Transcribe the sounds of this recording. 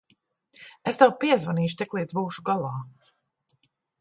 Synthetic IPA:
est̪ɛwpiɛzvaniːʃut̪ɛklˠiːd̪zbuːʃuɡalˠɑː

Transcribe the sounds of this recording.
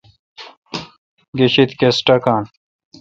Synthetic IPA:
ɡeɕit̪kesʈɐkaːn

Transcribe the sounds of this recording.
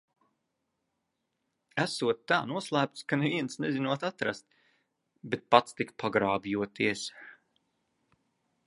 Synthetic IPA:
æsuɔt̪ːaːnuɔslˠæːp̚t̪skaneviɛnsnɛzinuɔt̪at̪ɾa̰st̪ | bet̪̚pat̪st̪ikpʰaɡɾaːbijuɔt̪iɛs

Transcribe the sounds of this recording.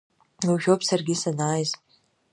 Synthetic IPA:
uwʒʲᶣopsarɡʲɪsanaːjz

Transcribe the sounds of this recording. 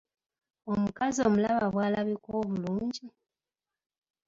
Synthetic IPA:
o̞mukazio̞mulaβaβwaːlaβikwoːβuluːɲɟi

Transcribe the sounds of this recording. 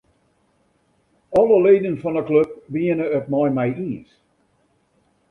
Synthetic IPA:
ɔlˠəleːdən̩fɔ̃nəklœb̚biɪnəːt̚maɪmaɪʔiːz̥

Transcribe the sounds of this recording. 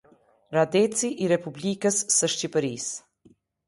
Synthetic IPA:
ɾad̪ɛt͡siʔiɾɛpublikəsːəʃcipəɾis

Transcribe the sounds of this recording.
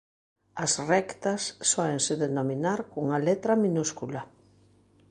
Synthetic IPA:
ɐsrɛkt̪ɐsːɔeŋsɪðenominaɾkuŋalet̪ɾɐmĩnuskula

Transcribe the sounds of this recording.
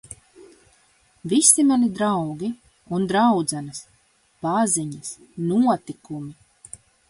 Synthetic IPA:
visimanid̪ɾawɡʲi | und̪ɾawd̪zanɨs | paziɲas | nuɔt̪ikumi

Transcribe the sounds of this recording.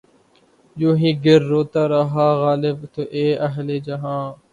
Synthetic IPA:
joːɦĩːɡɪɾːoːt̪aːɾaɦaːɣaːlɪbt̪oʔeːɐɦleːd͡ʒɐɦãː

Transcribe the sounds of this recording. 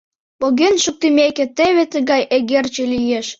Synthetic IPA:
poɣenʃuk̚t̪imʲekĕt̪eβʲet̪ə̆ɣɑjeɣert͡ɕelijeʃ

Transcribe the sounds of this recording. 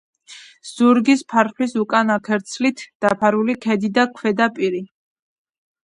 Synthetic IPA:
z̥uɾɡispʰaɾχlisukʼanakʰɛɾt̪sʰlit̪ʰd̪̥apʰaɾulikʰɛd̪id̪akʰwɛd̪apʼiɾi

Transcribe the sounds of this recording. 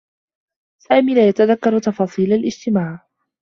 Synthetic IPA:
saːmiːlaːjat̪aðakːɑɾˤt̪ɑfɑːsˤiːlalʔɪd͡ʒt̪ɪmaːʕ

